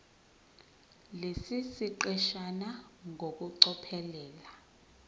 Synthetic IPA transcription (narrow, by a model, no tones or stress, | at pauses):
lesisiǃɛʃanaŋʱok̬uǀɔpʰɛlɛːla